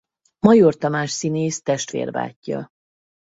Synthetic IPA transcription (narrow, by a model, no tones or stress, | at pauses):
mɒjort̪ɒmaːʃsineːst̪ɛʃt̪ʋḛːrva̰ːcːɒ̰